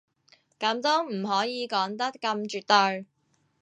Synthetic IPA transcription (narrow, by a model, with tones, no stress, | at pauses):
kɐ˨˥mt̪o˥m̩˨˩ɦɔː˨˥jiː˨˧kɔː˨˥ŋt̪ɐ˥kkːɐ˧mt͡ʃyː˨˧t̚t̪ɵ˧ɥ